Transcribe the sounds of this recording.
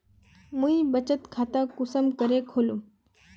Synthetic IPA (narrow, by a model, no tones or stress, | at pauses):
mũibət͡ʃət̪kʰat̪akʊsəmkəɾekʰoːlu